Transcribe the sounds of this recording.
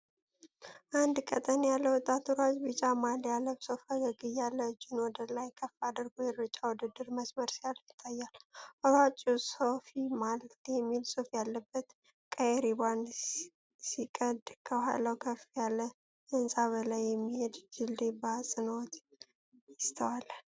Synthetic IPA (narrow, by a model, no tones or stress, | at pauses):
ʔand̪kʼət̪ʼənjalːəwt̪ʼːat̪uɾat͡ʃbɨt͡ʃʼamaljalːəbsofəɡəɡɨjalːəd͡ʒɪnwɔd̪əlajkʰəfːad̪əɾɡojɛɾɨt͡ʃʼːawʊd̪ɨd̪ːɨɾməsməɾsijaljɪt̪ʼːajːalʔɔɾat͡ʃʼusofimaljɛmːilsʼofjalːəbːət̪ | kʼəjɛɾiban | sikʼəd̪kʰəɦa̰lːəwkʰəfjalːə | ɨnsʼaβəlajːɛmːihed̪d͡ʒɨld̪ebasʼɨnəwt̪ | jɪst̪ʰəwal